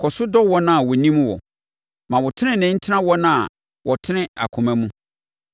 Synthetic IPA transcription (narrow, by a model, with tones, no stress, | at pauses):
kʰɔ˨sʊ˦dɔ˦wɔ˦nã˦˨wɔ˨nĩ˦m˦wɔ̰˨ | mã˨wɔ˨tʰɪ˦nɪ̃˦nɛ̃˨˦n̩˦tʰɪ˦nã˦wɔ˦nã˦˨ | wʔɔ˨tʰɪ˦nɪ̃˦a̰˨kʰʊ̃˨mæ̃˦mũ˦